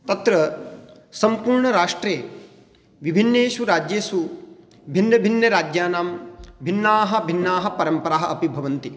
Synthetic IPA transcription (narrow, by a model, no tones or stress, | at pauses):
t̪ɐt̪ɾɐ | sɐmpuːɾɳɐɾaːʂʈɾeː | ʋibʱinːeːʃʋuɾaːd͡ʒjeːsu | bʱinːɐbʱinːɐɾaːd͡ʒjaːnaːmbʱinːaːɦɐ̆bʱinːaːɦɐ̆pɐɾɐmpɐɾaːɦɐʔɐpibʱɐʋɐnt̪i